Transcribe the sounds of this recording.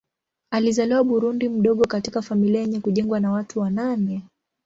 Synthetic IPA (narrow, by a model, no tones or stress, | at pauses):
alizaliwaɓuɾundim̩ɗɔɠɔkatikafamiliajɛɲɛkuʄɛŋɡwanawatʰuwananɛ